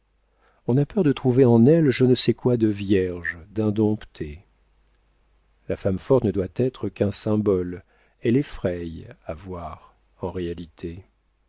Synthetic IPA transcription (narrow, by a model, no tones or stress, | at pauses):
ɔ̃napœʁd̪ət̪χuveɑ̃nɛlʒənəsɛkwad̪əvjɛʁʒd̪ɛ̃d̪ɔ̃pt̪ʰe | lafamfɔt̪nəd̪wat̪ɛt̪χəkɛ̃sɛ̃bɔl | ɛlɛfχɛjavwaʁ | ɑ̃ʁealit̪ʰe